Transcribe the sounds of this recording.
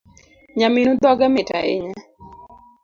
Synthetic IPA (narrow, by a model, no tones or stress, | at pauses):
ɲaminud̪ɔɡameta̰ʔḛɲa